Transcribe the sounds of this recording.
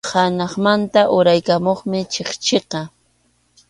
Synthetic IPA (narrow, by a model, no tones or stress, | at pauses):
hanɑχmant̪aʔʊɾajkamoχmɪt͡ʃeχt͡ʃeqɑ